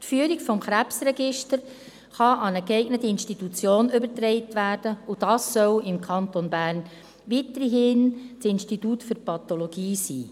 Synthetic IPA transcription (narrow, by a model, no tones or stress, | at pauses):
tfyːɾiɡfɔmχɾæpsɾɛɡɪʃtəɾ | χɑɑnəkɛɪɡnətəɪnstitut͡sjoːnʏbəɾtɾɛɪtʋæːɾd̥əud̥ɑːsːœwɪmkʰɑntonbæːrn | ʋitəɾɦɪːnt͡sɪnstituːtfʏrpɑt̪olɔɡ̥iːsiː